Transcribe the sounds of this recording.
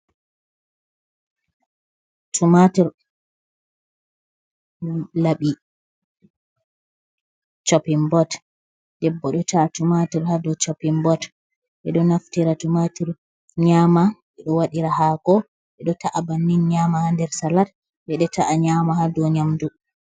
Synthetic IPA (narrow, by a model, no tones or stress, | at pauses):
tʰumatiɾ | laɓi | t͡ʃopimbɔt | d̥ɛbːɔɗɔtʰaːtumatiɾhadɔt͡ʃapimbɔt | ʔɛ̰ɗɔnaftiɾatumatiɾ | ɲamaʔɛɗɔwaɗiɾahakɔ | ʔɛɗɔtaʔabanːinɲamahandɛɾsalat | ʔɛɗɛtaʔaɲamaɦadɔɲamdu